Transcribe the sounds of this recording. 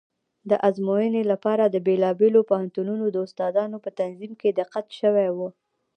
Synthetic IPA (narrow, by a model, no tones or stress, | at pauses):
d̪əʔazmojənelapɑɾad̪əbelɑbelopahant̪ununod̪əʊst̪ɑd̪ɑnopət̪anzimked̪ɪqːat̪ʃəwɛjwu